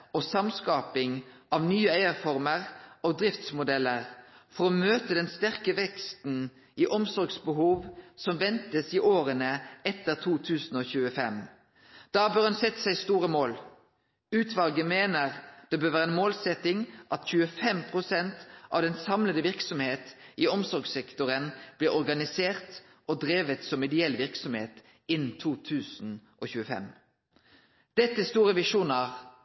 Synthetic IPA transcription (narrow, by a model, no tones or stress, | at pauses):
ɔsɑmskɑːpɪŋʔɑʋnyːəæɪəʁfɔʁməʁɔd̪ɾɪft̪smʊd̪ɛlːəʁfɔʁɔmøːt̪əd̪ɛnst̪æʁkəʋɛkst̪n̩ | iːʔɔmsɔʁɡsbəɦuːʋsɔmʋɛnt̪əsiʔoːʁənəɛt̪əʁt̪ʰuːt̪ʰʉːsn̩oːçʉːəfɛm | d̪̥ɑːbøːʁhɑnsɛt̪ːsæɪst̪uːɾəmoːl | ʉːt̪ʰʋɑlɡəmeːnəʁd̪̥ɛbøɾʋæːʁɛnmoːlsɛt̪ɪŋʔɑt̪çʉːəfɛmpʰʁʊsɛnt̪ʔɑ̰ʋd̪ɛnsɑmləd̪əʋɪʁksɔmheːt̪ɪɔmsɔɾɡsɛkt̪ʊʁənb̥lɪʁɔʁɡɑnɪseːʁt̪ | ʔɔd̪ʁeːʋət̪sɔmɪd̪ɪɛlːʋɪʁksɔmheːt̪ | ɪnːt̪ʰuːt̪ʰʉːsn̩ʔo̰çʉːəfɛ̰m | d̪̥ɛt̪ːəst̪uːʁəʋɪʂuːnɑʁ